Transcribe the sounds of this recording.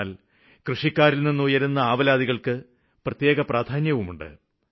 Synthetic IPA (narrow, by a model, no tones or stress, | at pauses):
l | krɨʂikːaːɾilninːujɐɾunːɐaːʋɐlaːd̪iɣɐɭkɨ | prɐt̪je̞ːɣɐpraːd̪ʰʱaːnjɐʋumuɳɖɨ̰